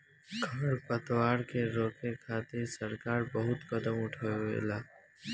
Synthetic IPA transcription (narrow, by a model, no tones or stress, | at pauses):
kʰaɾpət̪waːɾkeɾoːkʰekʰaːt̪esəɾkaːɾbəɦʊt̪kəd̪əmʊʈʰeʋḛːlaː